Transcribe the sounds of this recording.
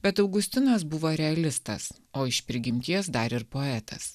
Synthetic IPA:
bʲɛt̪ɐʊɡʊsʲt̪ʲɪnɐsbʊʋoɾʲɛɐlʲɪst̪ɐ̰s | oːɪʃpʲɾʲɪɡʲɪmʲt̪ʲiɛsd̪ɐɾɪɾpoːɛt̪ʰɐ̰s

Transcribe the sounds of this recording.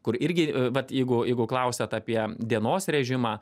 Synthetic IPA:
kʊɾɪɾʲɡʲɪʋɐt̪jɛɪɡʊjɛɪɡʊklˠɐʊsʲɛt̪ɑːpʲiɛd̪ʲiɛnoːsɾʲɛʒʲɪmɑː

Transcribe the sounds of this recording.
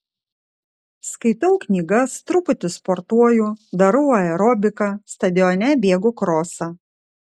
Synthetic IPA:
skɐɪt̪ɐʊknʲiːɡɐst̪ɾʊpʊt̪ʲɪspɔɾt̪uɔjuːd̪ɐɾʊːɐɛɾɔbʲɪkɐst̪ɐd̪ʲɪɔnʲɛbʲeːɡʊkɾoːsɐ

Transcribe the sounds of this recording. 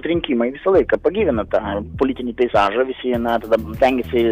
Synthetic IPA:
t̪ɾʲɪŋʲkʲimɐɪʋʲɪsɐlˠɐɪkɐpɐɡʲiːʋʲɪnɐt̪ɑːpolʲit̪ʲɪnʲiːpʲɛɪsɑːʒɐʋʲɪsʲɪnɐt̪ɐd̪ɐst̪ʲɛŋʲɡʲɛsʲɪ

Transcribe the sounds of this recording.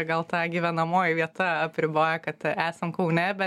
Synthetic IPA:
ɡɐlˠt̪ɑːɡʲiːʋʲɛnɐmoːjɪʋʲiɛt̪ɐɐpʲɾʲɪboːjɛkɐt̪æːsɐmkɐʊnʲɛbʲɛ

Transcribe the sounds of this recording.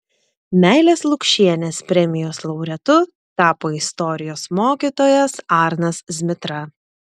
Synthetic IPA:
mʲæˑɪlʲeːslˠʊkʃʲiɛnʲeːspʲɾʲɛmʲɪjoːslˠɒʊɾʲɛt̪ʊ | t̪ɑːpoːɪst̪ɔɾʲɪjoːsmoːkʲiːt̪oːjɛsɑɾnɐszʲmʲɪt̪ɾɐ

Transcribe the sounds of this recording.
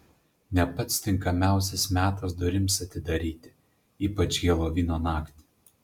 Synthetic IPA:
nʲɛpɐt̪st̪ʲɪŋˑkɐmʲæˑʊsʲɛsmʲæːt̪ɐsd̪ʊɾʲɪmsɐt̪ʲɪd̪ɐɾʲiːt̪ʲɪ | iːpɐt͡ʃʲɡʲeɛlˠoːʋʲiːnoːnɑːkt̪ʲɪ̥

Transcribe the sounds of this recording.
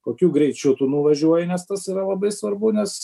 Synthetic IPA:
koːkʲuːɡɾʲɛɪt͡ʃʲʊt̪uːnuʋɐʒʲuɔjɪnʲɛst̪ɐsiːɾɐlˠɐbɐɪsʋɐɾbʊnʲɛs

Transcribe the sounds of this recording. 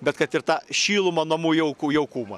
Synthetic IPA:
bʲɛt̪kɐt̪ɪrt̪ɑːʃʲiːlˠʊmɐnɐmuːjɛʊkuːjɛʊkuːmɐ

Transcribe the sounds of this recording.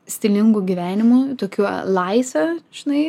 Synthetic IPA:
sʲt̪ʲɪlʲɪŋɡuɡʲiːʋʲæːnʲɪmʊt̪oːkʲulˠɐɪsʲoːʒ̥ʲɪnɐɪ

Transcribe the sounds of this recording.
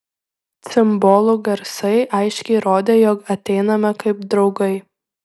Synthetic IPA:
t̪sʲɪmboːlˠʊɡɐɾsɐɪʔɐɪʃʲkʲɛɪɾoːd̪ʲeːjoːkɐt̪ʲɛɪnɐmɐkɐɪpd̪ɾɒʊɡɐɪ

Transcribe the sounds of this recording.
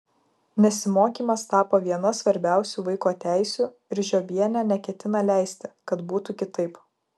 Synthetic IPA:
nʲɛsʲɪmoːkʲiːmɐst̪ɑːpoːʋʲiɛnɐsʋɐɾʲbʲæˑʊsʲuːʋɐɪkoːt̪ʲæˑɪsʲu | ɪɾʒʲoːbʲiɛnʲænʲɛkʲɛt̪ʲɪnɐlʲæˑɪsʲt̪ʲɪkɐt̪buːt̪ukʲɪt̪ɐɪp

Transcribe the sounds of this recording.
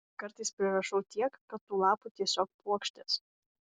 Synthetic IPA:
kɐɾt̪ɐɪspʲɾʲɪɾɐʃɐʊt̪ʲiɛkːɐt̪ːuːlˠɑːput̪ʲiɛsʲoːk̚puɔkʃʲt̪ʲes

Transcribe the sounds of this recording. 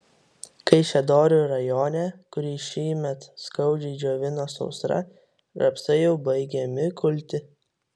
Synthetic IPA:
kɐɪʃʲɛd̪oːɾʲuɾɐjoːnʲɛkʊɾʲiːʃʲiːmʲɛt̪skɐʊd͡ʒʲɛd͡ʒʲoːʋʲɪnoːsɔ̰ʊsɾɐ̰ | ɾɐpsɐɪjɛʊbɐɪɡʲɛmʲɪkʊlʲt̪ʲɪ

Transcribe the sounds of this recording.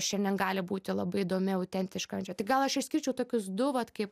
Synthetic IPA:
ʃʲɛnʲd̪ʲɛnɡɑːlʲɪbuːt̪ʲɪlˠɐbɐɪid̪oːmʲɪɐʊt̪ʲɛnʲt̪ʲɪʃkɐɐnʲd͡ʒʲɛt̪ʲɪɡɐlˠɐʃɪʃʲsʲkʲɪɾʲt͡ʃʲɛʊt̪oːkʲʊsd̪ʊʋɐt̪kɐɪp

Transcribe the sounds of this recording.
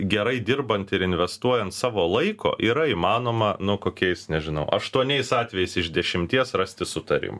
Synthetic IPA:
ɡʲɛɾɐɪd̪ʲɪrbɐnt̪ɪɾɪnʲʋʲɛst̪uɔjɛnt̪sɑːʋoːlˠɐɪkʰo̰ːʔiːɾɐiːmɑːnoːmɐnʊkoːkʲɛɪsnʲɛʒʲɪnɐʊʔɐʃt̪uɔnʲɛɪsɑːt̪ʲʋʲɛjɛɪsɪʒd̪ʲɛʃʲɪmʲt̪ʲiɛsrɐsʲt̪ʲɪsʊt̪ɐɾʲɪ̰mɐ

